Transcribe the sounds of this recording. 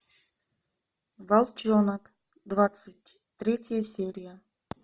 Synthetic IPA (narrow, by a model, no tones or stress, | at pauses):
valˠt͡ʃonak | d̪vat̪sɨtʲ | t̪ːɾʲetʲəjəsʲeɾʲijə